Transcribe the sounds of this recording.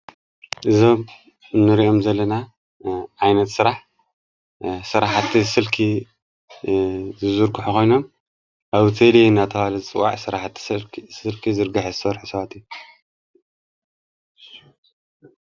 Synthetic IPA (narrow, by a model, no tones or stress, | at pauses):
ʔɨzo̞m | nːɨɾiʔo̞mzɐlːɐna | ʕajnɐt̪sɨɾaħ | sɨɾaħat̪ʰːisɨlkʰi | zɨzuɾkuħuxo̞jno̞m | ʔaβt̪ʰelinːat̪ʰɐβalɐzɨt͡sʼɨwa̰ʕsɨɾaħt̪sɨlkʰizɨɾɡaħezsɐɾħusɐβat̪iju